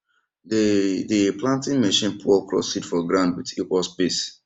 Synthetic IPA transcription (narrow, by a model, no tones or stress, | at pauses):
diplãntĩnmeʃĩnpʰuɔkɹɔ̰sitfɔɡɹãndwitiʔɔsbes